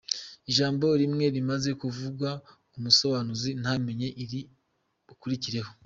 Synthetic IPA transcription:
iʒaːmbo̞ɾimŋe̞ɾimaze̞kuvuɡwa | umuso̞βanuzin̥ame̞ɲe̞ʔiɾi | ukuɾiciɾe̞ho̞

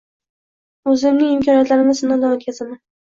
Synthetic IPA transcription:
ɵzɪmnɪŋɪmkʰʲɒnijat̪laɾɪmɪzɪnad̪aot̪̚kʲʰazaman

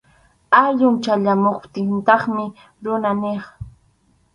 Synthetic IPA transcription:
aʎʊŋt͡ʃaʎamoχt̪ɪnt̪ɑχmɪ | ɾʊnaneχ

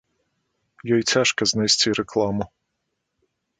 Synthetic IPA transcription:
jɔjt͡sʲaʃkɐznɐjsʲtʲiɾeklˠɑmʊ

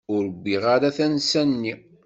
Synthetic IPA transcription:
ʊɾəbːiʁaɾaθænsænːi

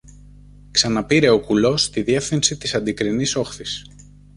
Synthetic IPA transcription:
ksɐnɐpiɾe̞o̞kulo̞st̪iðie̞fθinsit̪isɐnd̪ikɾiniso̞xθis

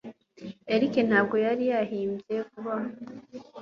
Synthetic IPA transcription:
eɾiken̥haːbɡo̞jaɾijaɦiːmbje̞kuβa

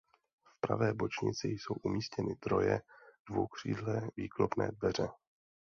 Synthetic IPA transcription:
fpɾa̰vɛːbot͡ʃɲɪ̰t͡sɪjso̞wʔumiːscɛnɪd̪ɾo̞jɛd̥vowkr̝̥ḭːdlɛviːklopnɛ̰ːdvɛr̝ɛ

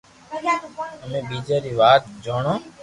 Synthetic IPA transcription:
əmẽːɓiːd͡ʒeːɾiːʋaːt̪̚d͡ʒoːɳoː

